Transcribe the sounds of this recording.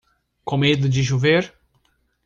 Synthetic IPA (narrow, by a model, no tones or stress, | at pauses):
kõmed̪ʊd͡ʒɪʒuveɾ